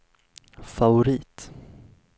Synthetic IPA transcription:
favʊɾiːt̪

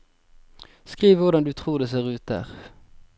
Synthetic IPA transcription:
skʁiːʋʋʊʁd̪ɑnd̪ʉːt̪ʰʁuːʁd̪eːseːʁʉːt̪̚d̪æ̰ːʁ

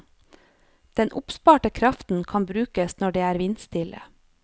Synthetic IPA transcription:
d̪̥ɛnʔʊpspɑːʈəkʰɾɑft̪n̩kʰɑnbɾʉːkəsnɔɖeːæːɾʋɪnst̪ɪlə̰

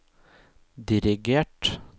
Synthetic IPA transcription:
d̪ɪɾɪɡeːʈ

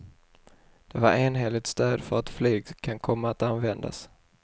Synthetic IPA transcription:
d̪̥ɛva̰ɾeːnɦeːlɪɡ̚t̪st̪øːd̪fœɾat̪flyːɡkʰankʰɔmːaːt̪anvɛnd̪a̰s

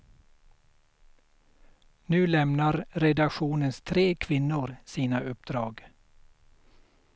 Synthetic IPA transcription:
nʉ̟ːlɛmnaɾɾɛd̪akɧuːnənst̪ʰɾeːkʰvɪnːʊɾsiːnaʔɵp̚d̪̥ɾɑːɡ

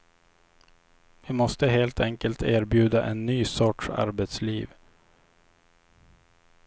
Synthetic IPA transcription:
vɪmɔst̪əɦeːlt̪ʰɛŋkəlt̪ʰeːɾbjʉ̟ːd̪aʔɛnːyːsɔʈʂa̰ɾbɛt̪sliːv

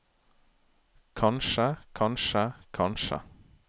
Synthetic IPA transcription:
kʰɑnʃəkʰɑnʃəkʰɑnʃə̰

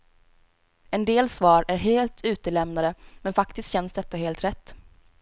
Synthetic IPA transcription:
ɛnd̪eːlsvɑːɾæɾɦeːlt̪ʰʉ̟ːt̪əlɛmnad̪əmɛnfakt̪ɪst̪ɕɛnsd̪ɛt̪ːaɦeːlt̪ɾɛt̪ː

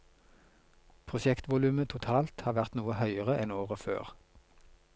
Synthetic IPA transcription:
pʰʁʊʃɛkt̪ʋʊlʉːmət̪ʰʊt̪ʰɑːlt̪hɑːʋæʁt̪nuːəhœʏəʁəʔɛnoːʁəfø̰ːʁ

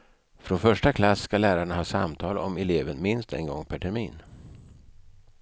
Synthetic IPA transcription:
fɾɔnfœʂʈakʰlasːkalæːɾaɳahɑːsa̰mt̪ʰɑːlɔmɛleːvənmɪnst̪ɛ̰nɡɔŋːpʰæʈʰɛɾmiːn

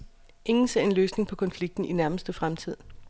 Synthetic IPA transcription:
ʔe̝ŋn̩se̝ɐ̰e̝nløːsne̝ŋpʰɒ̽kʰɒ̽nfliɡ̥̚d̥n̩inæɐməsd̥əfʁamt͡sʰið̞̰ˠ

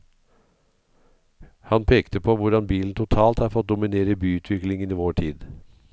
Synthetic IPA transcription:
hɑnpʰeːkt̪əpʰoʋʊɖɑnbiːln̩t̪ʰʊt̪ʰɑːlt̪hɑːɾfɔt̪̚d̪ʊmɪneːɾəbyːʉːt̪ʰʋɪklɪŋəniːʋoːʈʰiːd̪

